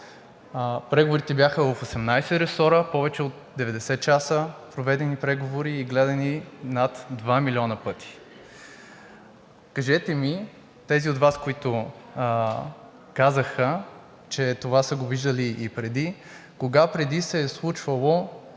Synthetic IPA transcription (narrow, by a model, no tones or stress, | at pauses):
pɾɛɡovoɾit̪ɛbjaxəvɐfosɛmnajsɛɾɛsɔɾəpɔvɛt͡ʃɛot̪̚d̪ɛvɛd̪ɛsɛt̪̚t͡ʃasəpɾovɛd̪ɛnipɾɛɡovoɾiːɡlɛd̪ɐninat̪d̪vamilʲɔnəpɤt̪ʰi̥ | kɐʒɛt̪ɛmi | t̪ɛziot̪vaskoit̪ʊ | kazəxə | t͡ʃɛt̪ovasəɡoviʒd̪əliʔːpɾɛd̪i | koɡapɾɛd̪isɛslˠut͡ʃvəlˠo